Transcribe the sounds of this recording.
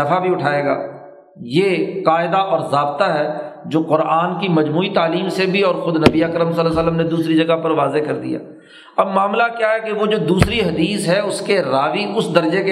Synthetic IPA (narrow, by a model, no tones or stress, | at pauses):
ɐfabʱiʊʈʰaːeːɡa̰ː | jeːqaːɪd̪aʔɔːɾzaːb̚t̪aɦɛːd͡ʒoːqʊɾaːnkimɐd͡ʒmuːit̪aːliːmsebʱiɔːɾxʊd̪nɐbiəkɾəmsəlsəlːəmned̪uːsɾid͡ʒɐɡapɐɾʋaːzekɐɾd̪ḭja̰ː | ɐbmaːmlakjaɦɛkeʋod͡ʒoːd̪uːsɾiɦɐd̪iːsɦɛʊskeɾaːʋiʔʊsd̪ɐɾd͡ʒeke